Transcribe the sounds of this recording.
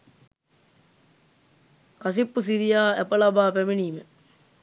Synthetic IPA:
kasipːus̬iɾijaːæpəlabaːpæmeniːmə

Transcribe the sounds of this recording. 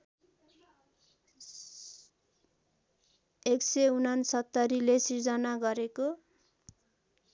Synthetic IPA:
ekseunansʌt̪ːʌɾilesird͡zʌnaɡʌɾeko

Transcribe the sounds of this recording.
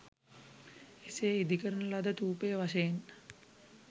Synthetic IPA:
eseːid̪ikəɾənəlad̪ət̪uːpəjəʋaʃəjen

